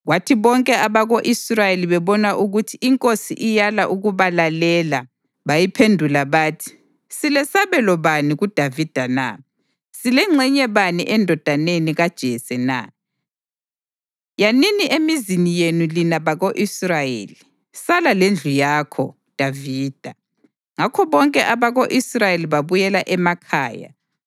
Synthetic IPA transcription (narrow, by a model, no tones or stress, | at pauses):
watʰiβɔŋkʼɛʔaβaɣoʔisrajeliβɛβɔnaʔuɣutʰiʔiŋkʼosḭʔijalaʔuɣuβalalɛːla | βajipʰendʱulaβaːtʰi̥ | silɛsaβɛlɔβaniɣud̥ʱavid̥ʱana̰ | silɛŋ͡ǀʱɛɲɛβaniʔɛndʱɔd̥ʱaneniɣad̥ʒ̥ʱɛsɛna̰ | janiniʔemizinijenulinaβaɣoʔisrajḛːli | salalend͡ɮʱujakʰɔ̰ | d̥ʱaviːd̥ʱa | ŋakʰɔβɔŋkʼɛʔaβaɣoʔisrajeliβaβujɛlaʔɛmakʰaːja̰